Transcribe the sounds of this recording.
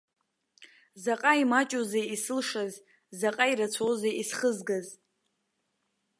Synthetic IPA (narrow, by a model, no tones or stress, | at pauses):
zaqʼaimat͡ʃʼuzejisɨlʂaz | zaqʼaiɾat͡sʷʰowzejisχəzɡazʼ